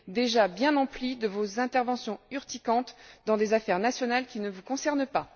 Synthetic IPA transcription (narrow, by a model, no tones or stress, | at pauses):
d̪eʒabjɛ̃nɑ̃plid̪əvozɛ̃t̪ɛʁvɑ̃sjɔ̃yʁt̪ikɑ̃t̪d̪ɑ̃d̪ezafɛʁnasjɔnalkʲinəvukɔ̃sɛʁnpa